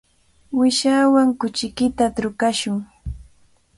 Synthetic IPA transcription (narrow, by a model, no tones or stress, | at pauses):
wɪʃaːwaŋkʊt͡ʃɪkɪt̪at̪ɾʊkaʃʊŋ